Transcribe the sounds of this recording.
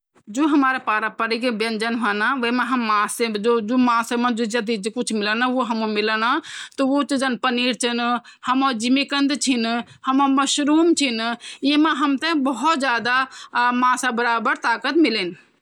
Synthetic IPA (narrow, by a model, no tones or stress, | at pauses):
d͡ʒoːɦəmaːɾapaːɾapəɾikebjɐnd͡ʒənɦuɛnaʋəmẽɦɐmːãːsed͡ʒod͡ʒomãːsemə̃d͡ʒod͡ʒɐd̪id͡ʒekut͡ʃʰmilənaʋoɦɐmõmilənat̪ɔot͡ʃid͡ʒənpəniːɾt͡ʃʰinhəmod͡ʒimekənd̪t͡ʃʰin | həmoməʃɾuːmt͡ʃʰinjimẽɦəmt̪ə̃bəɦɔt̪d͡ʒjaːd̪amãːsabəɾaːbəɾt̪aːkət̪milin